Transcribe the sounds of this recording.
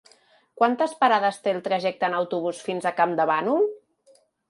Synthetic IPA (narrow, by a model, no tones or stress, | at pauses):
kwant̪əspəɾaðəst̪elˠt̪ɾəʒɛk̚t̪əːnəwt̪uβ̞usfinzəkamd̪əβanul